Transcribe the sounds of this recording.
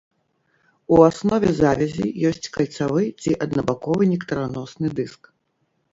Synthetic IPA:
uasnɔvʲɛzavʲɛzʲḭjɔsʲt͡sʲkɐlʲt̪savɨt͡sʲiʔɐd̪nɐbakɔvɨnʲɛkt̪ɐɾanɔsnɨd̪ɨsk

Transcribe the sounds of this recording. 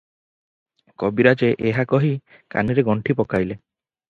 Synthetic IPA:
kɔbiɾat͡ʃeʔeɦakɔɦi | ka̰niɾeɡɔɳʈʰipɔkajle

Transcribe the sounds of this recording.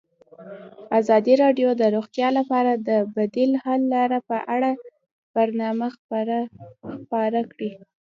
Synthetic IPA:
azɑd̪iɾɑɖjod̪əɾoɣt̪jɑlapɑɾad̪əbad̪ilhalːɑɾapəʔaɽa | b̥aɾnɑma | xpɑɾakɽi

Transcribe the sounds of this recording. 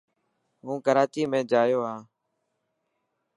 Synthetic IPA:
ɦũːkəɾaːt͡ʃiːmẽːd͡ʒaːjoːɦaː

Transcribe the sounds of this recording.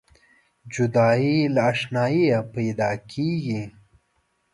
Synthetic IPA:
d͡ʒud̪ɑːilaːʂnɑːijapajd̪ɑːkʰiɡi

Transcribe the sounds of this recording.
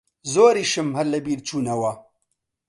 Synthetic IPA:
zoːɾiːʃɨmhɐɾlɐbiːɾt͡ʃʰuːnɐwɐ

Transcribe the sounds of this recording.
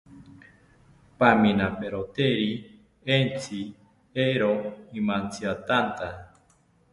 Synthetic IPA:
pamĩnapeɾot̪eɾi | ent͡si | eɾoimãnt͡siat̪ant̪a

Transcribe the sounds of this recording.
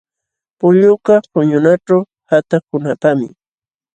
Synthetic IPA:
pʊʎʊkapʊɲʊnaʈ͡ʂaw | hat̪akʊnapamɪ̰

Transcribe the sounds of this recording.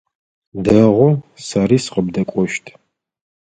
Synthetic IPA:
dɐʁʷɔsaɾiːsqəbdɐkʷʼɔʃtʰ

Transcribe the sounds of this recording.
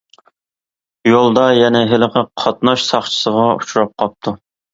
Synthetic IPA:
jolˠd̪ɑjɛnɛɦɪləqʰəqʰɑt̪̚nɑʃsɑχt͡ʃʰə̥səʁɑu̥t͡ʃʰuɾɑp̚qʰɑp̚t̪ʰu

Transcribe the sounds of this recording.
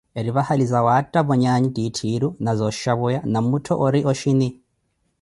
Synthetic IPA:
eɾiβahalizawatʼːaβɔɲaɲitʼitʰiɾunazɔʃaβujanamutʰɔʔɔɾiʔɔʃini

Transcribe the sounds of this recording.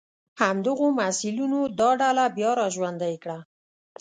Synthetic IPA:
hamd̪əɣomasilunod̪ɑɖalabjɑɾɑʒwand̪ajkɽa

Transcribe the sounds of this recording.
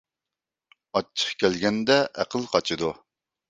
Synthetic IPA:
ɑt͡ʃʰːə̥χkʲɛlɡʲɛnd̪ɛʔæ̰qʰəlˠqʰɑt͡ʃʰɨd̪u

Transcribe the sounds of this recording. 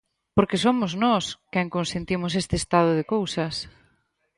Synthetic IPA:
poɾkesomʊznɔskɛŋkonsent̪imʊsest̪eːst̪að̞ʊðɪkowsɐs

